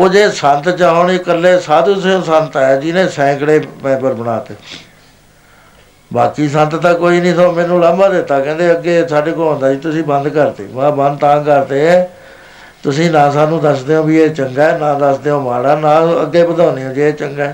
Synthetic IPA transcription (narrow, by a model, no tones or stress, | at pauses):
oːd͡ʒeːsənt̪t͡ʃaːɦonekəlːeːsaːd̪useõːsənt̪ɛːd͡ʒɪnẽːsɛ̃ːkɽeːmɛ̃ːbəɾbəɽaːt̪eː | baːkiːsənt̪t̪ãːkoːiːnĩːt̪omɛ̃ːnũːlambaːd̪ɪt̪ːaːkɛ̃ːnd̪eːəɡeːsaːɖeːkoːɦõːnd̪aːd͡ʒiːt̪ʊsĩːbə̃nd̪kəɾt̪ḛːʋãːbə̃nd̪t̪ãːkəɾt̪eːɛː | t̪ʊsĩːnãːsaːnũːd̪əsd̪eːõːbieːt͡ʃəŋɡaɛːnãːd̪əsd̪eːõːmaːɽaːnãːəɡːeːbəd̪aːneõːd͡ʒeːeːt͡ʃəŋɡɛː